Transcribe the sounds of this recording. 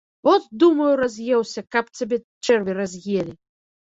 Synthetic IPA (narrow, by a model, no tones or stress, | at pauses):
ɔt̪d̪umɐjuɾazʲjɛwsʲɐkapt͡sʲabʲɛ | t͡ʂɛrvʲiɾazʲjelʲi